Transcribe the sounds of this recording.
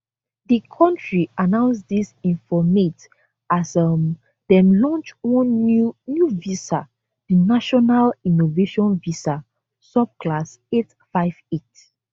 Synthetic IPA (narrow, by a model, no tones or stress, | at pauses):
dikʰɔ̃ntɹianãʊ̃ns̬disĩnfɔmet | asʌm | dɛ̃mlɔ̃nt͡ʃwɔ̃nnjuvisa | dinaʃɔnalinoveʃɔ̃nvisa | sɔb̚klas | et | faɪv̥et